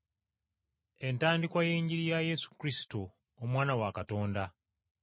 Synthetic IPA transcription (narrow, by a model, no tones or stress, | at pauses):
e̞ntaːndikwaje̞ːɲɟiɾijajesu̥kɾisi̥to | omwaːnawakato̞ːnda